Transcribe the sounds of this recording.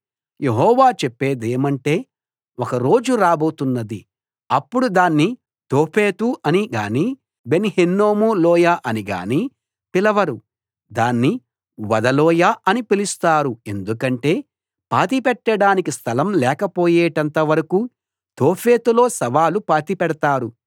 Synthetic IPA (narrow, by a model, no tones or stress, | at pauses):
jeɦɔːʋaːt͡ʃɛpːe̞ːd̪eːmɐɳʈe̞ː | wɔkɐɾo̞ːd͡ʒuɾaːbo̞ːt̪unːɐd̪i | ɐpːuɽud̪aːnːi | t̪oːpʰeːt̪uʔɐniɡaːni | be̞nihenːoːmulɔːjaːʔɐniɡa̰ːni | pilɐʋɐɾu | d̪aːnːi | ʋɐd̪ɐlɔːjaʔɐnipilist̪aːɾue̞nd̪ukɐɳʈe̞ː | paːt̪̬ipɛʈːɐɽaːnikist̪ʰɐlɐmlɛːkɐpo̞ːjeːʈɐnt̪ɐʋɐɾɐku | t̪oːpʰe̞ːt̪ulo̞ːsɐʋaːlupaːt̪ipɛɽɐt̪aːɾu